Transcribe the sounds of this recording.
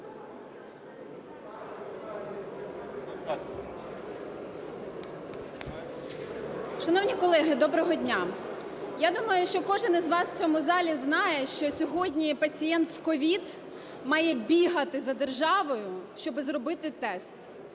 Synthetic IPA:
ʃɐnɔwnʲikɔlˠɛɦɪd̪ɔbɾɔɦɔdʲnʲa | jad̪umɐjʊʃt͡ʃɔkɔʒɪnɪzʋɑst͡sʲɔmʊzɑlʲiznɑjɛʃt͡ʃɔsʲɔɦɔdʲnʲipɐt͡sʲijɛnt̪skɔʋʲid̪ | mɑjɛbʲiɦɐt̪ɪzɐd̪erʒɑʋɔjʊʃt͡ʃɔbɪzɾɔbɪt̪ɪt̪ɛst̪

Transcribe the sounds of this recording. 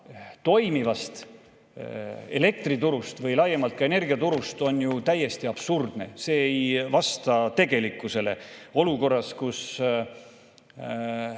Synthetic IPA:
t̪o̞jmivɑst̪ | e̞̰le̞k̚t̪rit̪uɾust̪vɯjlɑjːemɑlt̪̚kɑe̞ne̞rɡiɑt̪uɾust̪o̞njut̪æjːe̞st̪iɑb̥surd̪̥ne̞̰se̞ːejvɑst̪ɑt̪e̞ɡe̞likːˑuse̞le̞̰o̞luko̞rːɑskus

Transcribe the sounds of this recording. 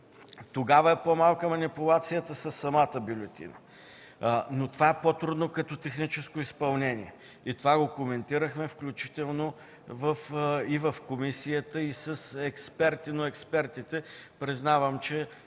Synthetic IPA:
t̪oɡavəɛpomalˠkəmɐnipʊlˠat̪sijət̪əsəsːɐmat̪əbulʲɛt̪ḭnə̰ | not̪ovaɛpot̪ɾud̪nokɐt̪ɔt̪ɛxnit͡ʃɛskoispɐlˠnɛniɛ | it̪ovaɡokomɛnt̪iɾəxmɛfklʲut͡ʃi̥t̪ɛlˠno | vəfivəfkomisijət̪əisəsɛkspɛɾt̪inoɛkspɛɾt̪it̪ɛpɾiznavəmt͡ʃɛ

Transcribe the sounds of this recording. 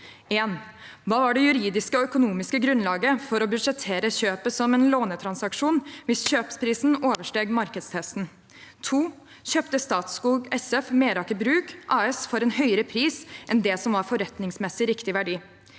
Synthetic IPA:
eːn | ʋɑːʋɑɖɛjʉɾiːd̪ɪskəɔœkʊnuːmɪskəɡɾʉnlɑːɡəfɔɾɔbʉd̪ʂɛt̪ʰeːɾəçøːpəsɔmɛnloːnət̪ʰɾɑnsɑkʂuːnʋɪsɕøːpspʰɾiːsn̩oːʋəʂʈeːɡmɑɾkəd̪st̪ʰɛst̪n̩ | t̪ʰuː | çøːpt̪əst̪ɑːt̪skuːɡɛsɛfmeːɾɑkəbɾʉːkʔɑːɛsfɔɾɛnhœʏəɾəpʰɾiːsʔɛnd̪ɛsɔmʋɑɾfɔɾɛt̪nɪŋsmɛsɪɾɪkt̪ɪʋæɖiː

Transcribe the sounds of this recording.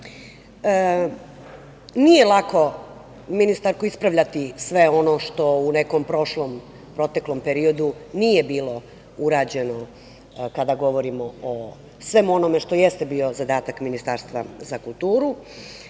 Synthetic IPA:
nije̞lˠako̞ | minist̪aɾkuispɾaʋʎat̪isʋe̞o̞no̞ʃt̪o̞une̞kompɾo̞ʃlom | pɾo̞t̪e̞klo̞mpeɾio̞d̪unije̞biːlo̞ | uɾaːd͡ʑe̞no̞ | kad̪aɡo̞ʋo̞ɾimoo | sʋe̞muo̞no̞meʃt̪o̞jest̪ebio̞zad̪aːt̪akminist̪aːɾst̪ʋa̰zakulˠt̪uːɾu

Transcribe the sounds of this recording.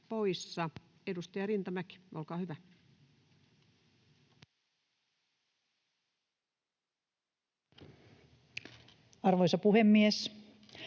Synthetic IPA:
po̞jsːɑe̞dust̪ɑjɑrint̪ɑmæki̥ʔolkɑːhyʋæ | ɑrʋoisɑpuhemːies

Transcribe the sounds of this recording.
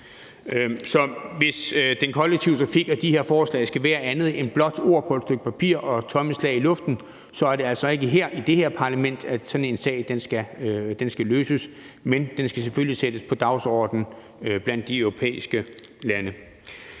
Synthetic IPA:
sɒ̽ʋe̝sd̥enkʰɒ̽leɡ̥̚t͡sʰiʊt͡sʰʁɑ̈fiɡ̥ɒ̽d̥ihe̝ɐ̰fɒːslɛ̰ɪsɡ̥æʋæːɐʔænð̞̩ˠe̝db̥lɒ̽d̥o̝ɐ̰pʰɒ̽ed̥sd̥øɡ̥ə̥pʰæpʰḭɐ̰ʔɒ̽t͡sʰɒ̽məslɛ̰ɪilɔ̽fd̥n̩ | sɒ̽æɐɾe̝æl̰sɒ̽e̝ɡ̥əɦeɐ̰ʔid̥e̝heɐ̰pʰɑ̈læmen̰d̥æsɒ̽dn̩e̝nsɛ̰ːɪd̥ensɡ̥æd̥ensɡ̥æløːsəs | mend̥ensɡ̥æseføljised̥əspʰɒ̽d̥ɑ̈ʊsɒ̰ːd̥n̩ | b̥læn̰d̥ːiœʊʁo̝pʰḛːisɡ̥əlænə

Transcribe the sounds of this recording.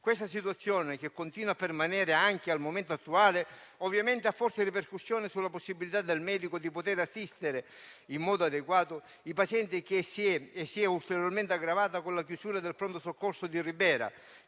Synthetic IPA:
kwest̪as̬it̪uat̪sːjɔːnɪk̟ekːont̪iːnwapːermanɛːɾɪaŋk̟ealmoment̪oat̪ːuaːleɔvːjament̪ɪafːɔrsɪriperkusːjɔːnɪsulːaposːibːilit̪ad̪ːelmɛːd̪ikod̪ipot̪eɾasːist̪ɪɾe | imːɔːd̪oad̪eɡwaːt̪ʊ | ipasjɛnt̪ɪk̟esiɛesːiɛult̪eɾjorment̪ɪaɡɾavaːt̪akonlakjusuːɾad̪elpɾont̪osokːorsʊd̪iribɛːɾa̰

